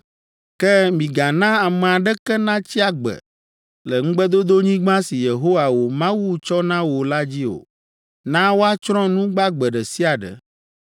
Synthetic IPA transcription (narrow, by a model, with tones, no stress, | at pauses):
kɛ˦mĩ˨ɡa˨nã˦a˨mɛ̃˨a˨ɖɛ˦kɛ˦nã˦t͡ɕi˦a˨ɡ͡bɛ̰˨ | lɛ˨ŋ̩̃˦ɡ͡bɛ˦d̪o˦d̪o˦ɲĩ˦ɡ͡bã˦si˨je˨ɦo˦wa˨wo˨mã˦wu˦t͡ʃɔ˦nã˦wo˨la˦d͡ʑi˦o̰˨ | nã˦wo˦a˦t͡ʃɾɔ̃˦nũ˦ɡ͡ba˦ɡ͡bɛ˨ɖɛ˨si˦a˨ɖɛ̰˨